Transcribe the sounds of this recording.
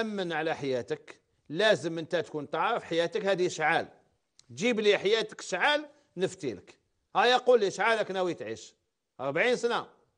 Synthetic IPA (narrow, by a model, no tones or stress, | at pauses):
ʔæmːənʕalæħajæt̪ək | læzəmʔənt̪æt̪kunt̪ˤɑʕəfħajæt̪əkhæd̪iʃʕal | ʒibliħajæt̪ə̥kʃʕal | nəft̪ilək | hæjɑqulːiʃʕaləknæwit̪ʕḭʃ | ʔəɾˤbʕinsna